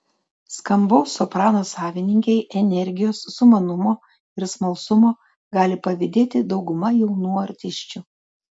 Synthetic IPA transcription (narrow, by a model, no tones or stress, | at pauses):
skɐmbɔʊsɔpɾɑːnoːsɑːʋʲɪnʲɪŋʲkʲɛɪʔɛnʲɛɾʲɡʲɪjoːsːʊmɐnʊmoː | ɪɾsmɐlˠsʊmoː | ɡɑːlʲɪpɐʋʲɪd̪ʲeːt̪ʲɪd̪ɒʊɡʊmɐjɛʊnuːɐɾʲt̪ʲɪʃʲt͡ʃʲuː